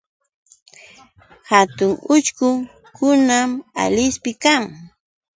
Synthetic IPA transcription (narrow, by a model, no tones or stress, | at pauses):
hat̪ʊŋʊt͡ʃkʊ | kʊnama̰lɪspɪkaŋ